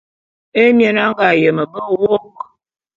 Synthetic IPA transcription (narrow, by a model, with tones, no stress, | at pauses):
e˦mje˨na˦ŋ˦ɡa˨jə˨mə˨bə˦˨wɔ˦˨k